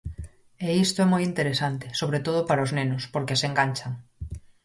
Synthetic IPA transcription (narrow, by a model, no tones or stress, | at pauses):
eist̪oɛmojint̪eɾesant̪esoβɾet̪oð̞opaɾaoznenʊspoɾkeseŋɡant͡ʃaŋ